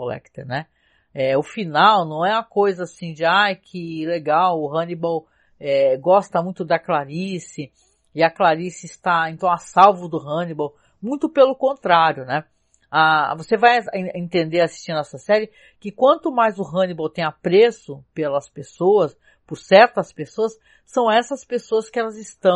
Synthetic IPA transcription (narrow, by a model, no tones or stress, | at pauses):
olɛ̰kt̪ḛɾnɛ | ɛʊfinawnɐ̃w̃ɛũɐkojzɐasĩd͡ʒɪajkʰɪleɡawʊɦɐ̃nibow | ɛɡɔst̪ɐmũj̃t̪ʊd̪ɐklaɾisɪ | ɪɐklaɾisɪɪst̪aẽnt̪ɐ̃w̃asawvʊd̪ʊɦɐ̃nibow | mũj̃t̪ʊpelʊkõnt̪ɾaɾjʊnɛ | avosevajẽẽnt̪ẽnd̪eɾasi̥st͡ʃĩnd̪ʊɛsɐsɛɾɪ | kɪkwɐ̃nt̪ʊmajzʊɦɐ̃nibowt̪ẽj̃apɾesʊpelɐspesoɐs | pʊɾsɛɾt̪ɐspesoɐsː | ɐ̃w̃ɛsɐspesoɐskɪɛlɐzɪst̪ɐ̃